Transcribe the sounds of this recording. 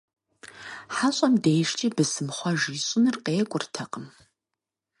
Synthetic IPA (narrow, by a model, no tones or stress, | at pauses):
ħaɕʼɐmdejʂt͡ʃʼiːbɨsɨmχʷɔʒiːɕʼɪnɨrqeːkʷʼʊrtʰɐqʼəm